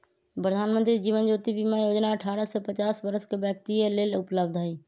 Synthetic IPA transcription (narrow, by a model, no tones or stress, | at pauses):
pɾəd̪ʱaːnmə̃nt̪ɾid͡ʒiːʋənd͡ʒoːt̪ibimajoːd͡ʒnaəʈʰaːɾəsepət͡ʃaːsbəɾəskebjək̚t̪iəleːlʊpləb̚d̪ʱaːiː